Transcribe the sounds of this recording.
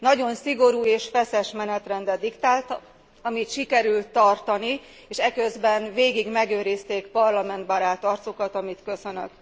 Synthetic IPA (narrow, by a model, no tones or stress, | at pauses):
nɒɟo̞nsiɡo̞ɾuːeːʃfɛsɛʃmɛnɛt̪rɛnd̪ɛd̪ikt̪aːlt̪ | ɒmit̪ʃikɛɾylt̪ːɒrt̪ɒni | eːʃɛkø̞zbɛnveːɡiɡmɛɡøːɾist̪eːkpɒrlɒmɛnt̪bɒɾaːt̪ɒrt̪so̞kɒt̪ɒmit̪kø̞sø̞nø̰k